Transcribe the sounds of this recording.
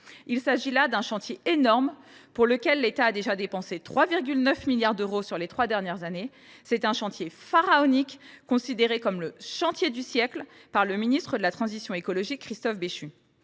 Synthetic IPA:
ilsaʒilad̪ɛ̃ʃɑ̃t̪jeenɔʁmpuʁləkʲɛlːet̪aːd̪eʒad̪epɑ̃set̪χwaviʁɡʲylnœfmiljaʁd̪øʁosyʁlet̪χwad̪ɛʁnjɛʁzane | sɛt̪ɛ̃ʃɑ̃t̪jefaʁaɔnikːɔ̃sid̪eʁekɔmləʃɑ̃t̪jed̪ysjɛklpaʁləminist̪χəd̪əlat̪χɑ̃zisjɔ̃ekɔlɔʒikːχist̪ɔfbeʃy

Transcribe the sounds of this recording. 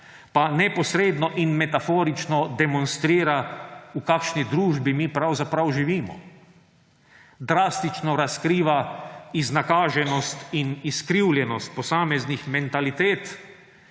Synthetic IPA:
panɛpɔsɾeːd̪nɔʔinmɛt̪afoːɾit͡ʃnɔd̪ɛmɔnst̪ɾiːɾaukaːkʃnid̪ɾuːʒbimipɾawzapɾawʒiʋiːmɔ̰ | d̪ɾaːst̪it͡ʃnɔɾaskɾiːʋaiznakaːʒɛnɔst̪iniskɾiwljɛnɔst̪̚pɔsaːmɛznixmɛnt̪alit̪eːt̪

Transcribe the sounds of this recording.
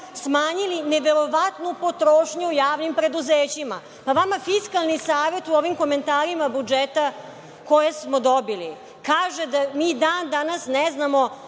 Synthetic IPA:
smaːɲilineʋe̞ɾo̞ʋat̪nupo̞t̪ɾoːʃɲuujaːʋnimpɾe̞d̪uzeːt͡ɕima̰ | paʋamafiskalnisaːʋe̞t̪uoʋimko̞me̞nt̪aːɾimabud͡ʒet̪a | ko̞jesmo̞d̪obili | kaːʒed̪amiːd̪aːnd̪anasneznamo̞

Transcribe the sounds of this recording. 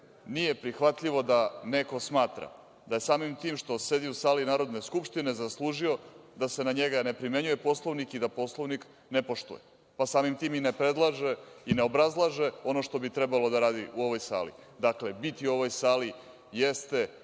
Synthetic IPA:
nije̞pɾixʋat̪ʎiʋo̞d̪ane̞ko̞smaːt̪ɾa̰ | d̪aje̞saːmimt̪iːmʃt̪o̞se̞d̪iusaːlinaːɾo̞d̪ne̞skupʃt̪ine̞zaslˠuːʒio̞d̪ase̞naɲeɡanepɾime̞ɲuje̞po̞slˠoʋnikid̪apo̞slˠoʋnik | nepo̞ʃt̪ṵje | pasaːmimt̪iːminepɾe̞d̪lˠaʒe̞ine̞o̞bɾazlˠaʒe̞o̞no̞ʃt̪o̞bit̪ɾe̞balo̞d̪aɾaːd̪iʔuo̞ʋo̞jsa̰ːlḭ | d̪akle̞bit̪iuo̞ʋo̞jsaːli | jest̪e̞

